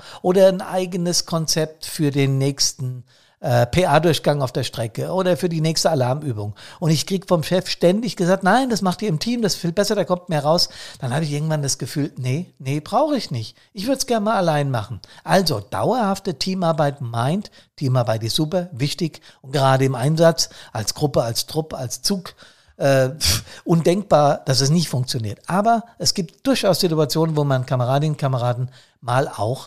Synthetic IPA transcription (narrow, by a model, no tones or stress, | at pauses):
ʔoːɾɐnʔa̰ɪɡənəskʰɔnt͡sɛp̚tfyːɐdeːnːɛːçstn̩ | ʔɛːpʰeːʔaːdʊɐçɡ̥aŋaʊfd̥eːɐʃtʁ̥ɛkəʔoːɾɐfyːɐdiːnɛːçstəalaɐmyːbʊŋʊntɪçkʁ̥iːɡəfɔmʃɛfʃtɛndɪçɡ̥əzaːk̚tnaɪndasmaχtd̥iːɐɪmtʰiːmdasfiːlbɛsɐdaːkʰɔmt̚meːɐʁaʊsd̥anhaːbəɪçɪɐɡŋ̩tv̥andasɡ̥əfyːlnənəb̥ʁaʊxəɪçnɪçt | ʔɪçv̥ʏɐdə̥sɡ̥ɛɐnmaːlalaɪnmaχn̩ʔalzod̥a̰ʊɐhaftətʰiːmaɐbaɪtmaɪnt | tʰːiːmaɐbaɪtɪstz̥uːpɐvɪçtɪçʊnt̚ɡ̥əʁaːɾəɪmʔaɪnzat͡sʔalsɡ̥ʁʊpəalstʁ̥ʊpəalst͡suːk | ʔɛːʔʊndɛŋk̚b̥aːɐd̥as̬ɛs̬nɪçtfʊŋk̚t͡sjoniːɐtʔaːbɐʔɛsɡ̥iːp̚td̥ʊɐçʔaʊsz̥ɪtuat͡sjoːnənvoːmankʰaməʁaːdɪənkʰaməʁaːdn̩ | maːla̰ʊx